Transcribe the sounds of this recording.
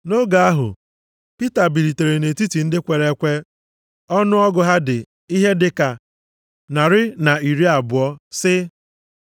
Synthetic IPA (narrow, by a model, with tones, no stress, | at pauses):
no˦ɡa˨a˦ɦʊ̰˨ | pi˦ta˨bi˨ɾi˨te˨ɾe˨ne˨ti˦ti˨n̩˦dɪ˦kʷe˨ɾe˦kʷe˦ | ɔ˦nʊ˦ɔ˦ɡʊ˨ɦa˦dɪ˨ | i˦ɦe˦dɪ˨ka˨ | na˨ɾɪ˦na˨i˨ɾi˦a˨bʊ˨ɔ˦sɪ˦